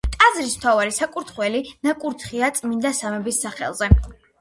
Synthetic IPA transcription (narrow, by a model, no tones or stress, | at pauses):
t̪ʼazɾism̥t̪ʰavaɾisakʼuɾt̪ʰχwɛlinakʼuɾt̪ʰχiat̪sʼmind̪asamɛbisːaχɛ̰lˠzɛ